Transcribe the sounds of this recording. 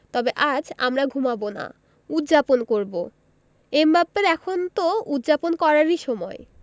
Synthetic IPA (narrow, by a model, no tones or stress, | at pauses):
t̪ɔbeʔad͡ʑa̰mɾaɡʱumabona̰ | ut̪ːd͡ʑaponkoɾbo | embabeɾɛkʰont̪oud̪d͡ʑaponkɔɾaɾiʃɔmɔe